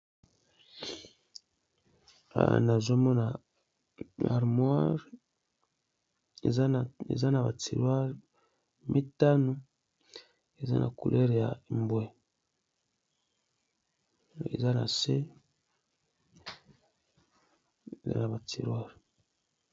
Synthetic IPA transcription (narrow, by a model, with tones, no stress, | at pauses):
a̰˨na˨zo˦mɔ˦na˨ | a̰˨ɾmwa˦ɾ | zḛ˨za˦na˨ba˨tḭ˨ɾwa˦ɾ | mʔi˦ta˦no˨ | e˨za̰˦nʔa̰˨kṵ˨lʔe˦ɾja˨i˨mbwe˦ | ḛ˨za˦na̰˨se˦ | e˨za̰˦na˨ba˨ti˨ɾwa˦ɾ